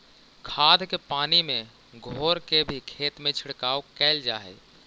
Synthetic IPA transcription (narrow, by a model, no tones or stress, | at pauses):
kʰaːd̪ʱkepaːnimẽ | ɡʱoːɾkebʱikʰeːt̪mẽt͡ʃʰɪɽkaːokɛːld͡ʒa̰ːɦɛ̰ː